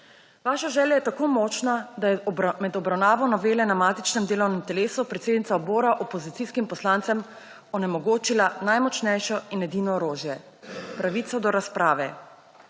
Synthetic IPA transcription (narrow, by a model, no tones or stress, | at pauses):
ʋaːʃaʒɛːljajɛt̪akoːmɔːt͡ʃnad̪ajɛmɛd̪ɔbɾawnaːʋɔnɔʋeːlɛnamaːt̪it͡ʃnɛmd̪eːlɔwnɛmt̪ɛleːsupɾɛt̪seːd̪nit̪aɔboːɾaʔɔpɔzit̪siskimpɔslaːnt̪sɛm | ɔnɛmɔɡoːt͡ʃilanajmɔt͡ʃnɛjʃɔinɛd̪iːnɔːɾoːʒjɛ | pɾaʋiːt̪sɔd̪ɔɾaspɾaːʋɛ